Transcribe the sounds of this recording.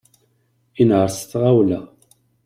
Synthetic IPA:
inʕəɾsθʁawlæ

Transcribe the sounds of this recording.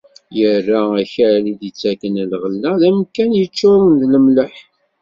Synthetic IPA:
jərːaæçɾlid̪it͡sːækːənəlʁəlːæðæmkænjət͡ʃːʊwənðləmləħ

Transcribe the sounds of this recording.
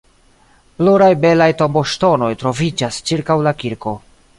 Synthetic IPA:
pluɾajbe̞lajto̞mbo̞ʃto̞no̞jtɾo̞vid͡ʒast͡ʃiɾkawlakiɾko̞

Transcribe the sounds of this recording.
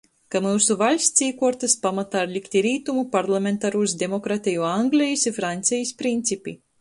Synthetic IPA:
kamuːsuvalʲsʲt̪siːkuɔɾt̪aspamat̪aːɾlʲikt̪ʲiɾiːt̪umupaɾlˠamʲent̪aɾuːsd̪ʲemɔkɾat̪ʲijuaŋɡlʲɛjisʲifɾant̪sʲɛjispɾint̪sʲipʲḭ

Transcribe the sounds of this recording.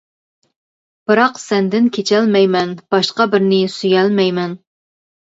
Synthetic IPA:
b̥ɨɾɑqsɛnd̪ɪnkʲʰet͡ʃʰɛlmɛjmɛnb̥ɑʃqɑbɪɾnɪsyjɛlmɛjmɛn

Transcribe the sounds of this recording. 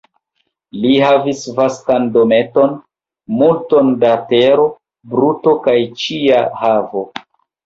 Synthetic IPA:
liɦavisvastandome̞to̞n | multo̞ndate̞ɾo̞ | bɾuto̞kajt͡ʃiahavo̞

